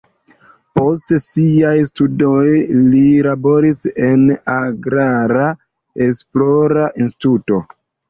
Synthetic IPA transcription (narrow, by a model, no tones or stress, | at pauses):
po̞s̬tsiajstudojlilabo̞ɾise̞naɡɾaɾa | e̞splo̞ɾaʔinsti̥tuto̞